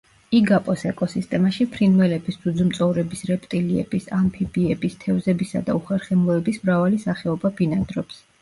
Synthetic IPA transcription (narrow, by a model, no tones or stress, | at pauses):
iɡapʼɔsɛkʼɔsist̪ʼɛmaʃipʰɾinvɛlɛbisd̪ud̪zumt̪sʼɔvɾɛbisɾɛpʼt̪ʼiliɛ̰b̥isampʰibiɛbist̪ʰɛvzɛbisa̰d̪a̰uχɛɾχɛmlˠɔɛbismɾavalisaχɛɔbabinad̪ɾɔps